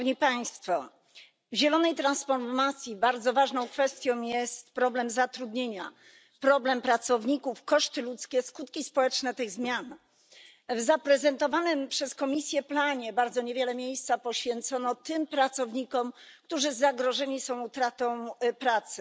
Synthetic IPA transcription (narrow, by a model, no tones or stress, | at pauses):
vɲipaj̃st̪fɔ | vʑɛlɔnɛjt̪ɾansfɔɾmat̪sʲjibaɾd̪zɔvaʐnɔ̃w̃kfɛst̪ʲjɔ̃w̃jɛst̪pɾɔblɛmzat̪ɾud̪ɲeɲa | pɾɔblɛmpɾat̪sɔvɲikufkɔʂt̪ɘlut̪skʲɛskut̪kʲispɔwɛt͡ʂnɛt̪ɘɣzmʲjan | vzapɾɛzɛnt̪ɔvanɘmpʂɛskɔmʲisʲjɛplaɲɛbaɾd̪zɔɲevʲjɛlɛmʲjejst̪sapɔɕfʲjɛnt̪sɔnɔt̪ɘmpɾat̪sɔvɲikɔmkt̪uʐɘzaɡɾɔʐɛɲisɔ̃w̃ut̪ɾat̪ɔ̃w̃pɾat̪sɘ̥